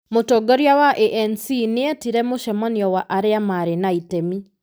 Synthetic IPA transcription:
motoɡɔɾjawaʔeʔɛnsineɛtiɾɛmoʃɛmɔniɔwaʔaɾeamaɾenaitemi

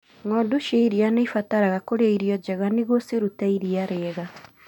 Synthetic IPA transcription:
ŋɔduʃeiɾianeifataɾaɣakoɾeaiɾiɔd͡ʒɛɣaniɣosiɾutaiɾiaɾɛɣa

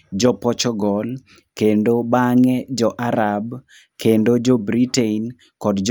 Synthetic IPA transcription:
d͡ʒɔpɔt͡ʃɔɡɔl | kendobaŋɛd͡ʒɔʔaɾab | kʰendod͡ʒobɾitein | kɔdd͡ʒ

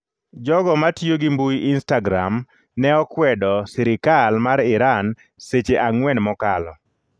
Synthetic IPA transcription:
d͡ʒɔɡɔmatijoɡimbujɪnstaɡɾam | nɛɔkwɛdɔsɪɾɪkalmaɾɪɾan | set͡ʃeʔaŋwɛnmɔkalɔ

